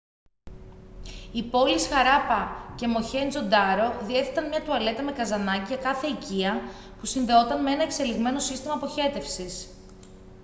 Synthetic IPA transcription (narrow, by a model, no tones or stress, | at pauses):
ipo̞lisxɐɾɐpɐce̞mo̞çenzo̞d̪ɐɾo̞ðie̞θet̪ɐnmɲɐt̪uɐle̞t̪ɐme̞kɐzɐnɐciʝɐkɐθe̞iciɐ | pusinðe̞o̞t̪ɐnmee̞nɐe̞kse̞liɣme̞no̞sist̪imɐpo̞çe̞t̪e̞fsis